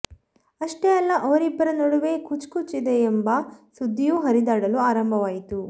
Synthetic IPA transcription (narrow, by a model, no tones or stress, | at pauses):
ɐʂʈeɐlːɐʔɐʋɐɾibːɐɾɐnoɽuʋe̞kut͡ʃkut͡ʃid̪eːmbɐsud̪ʱːijuɦɐɾid̪aːɽɐluaːɾɐmbʱɐʋaːjit̪u